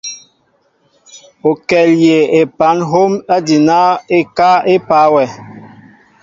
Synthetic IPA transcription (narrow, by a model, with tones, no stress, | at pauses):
o˨kɛ˨lje˨e˨pa˨˦nɦo˦ma˦di˨na˦e˦ka˦e˦pa˨˦wɛ˨